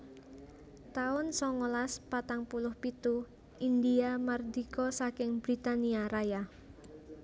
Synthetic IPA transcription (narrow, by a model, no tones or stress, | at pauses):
t̪aʊnsɔŋolaspat̪aŋpulʊhpit̪u | ind̪iamard̪ikɔsakɪŋb̥ɾit̪aniaɾaja